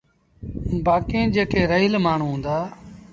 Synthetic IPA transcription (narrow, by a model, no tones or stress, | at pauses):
baːkẽːd͡ʒeːkʰeːɾəɦilmaːɳ̤ũːɦũːnd̪aː